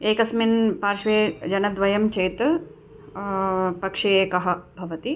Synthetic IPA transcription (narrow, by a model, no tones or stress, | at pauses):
eːkɐsminpaːɾʃʋeːd͡ʒɐnɐd̪ʋɐjɐmt͡ʃeːt̪ | pɐkʂieːkɐɦɐ̆bʱɐʋɐt̪i